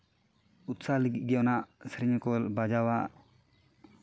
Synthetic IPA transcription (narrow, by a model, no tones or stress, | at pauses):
ut̪saliɡit̪̚ˀɡɛɔnaʔsɾɛɲɔkɔlbad͡ʒawaʔ